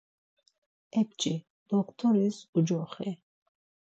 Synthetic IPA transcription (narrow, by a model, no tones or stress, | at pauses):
ɛp̚t͡ʃʼi | d̪̥ɔkʰt̪ʰɔɾisud͡ʒɔχɛ